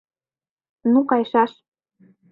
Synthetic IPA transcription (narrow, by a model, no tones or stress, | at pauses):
nukɑjʃɑʃ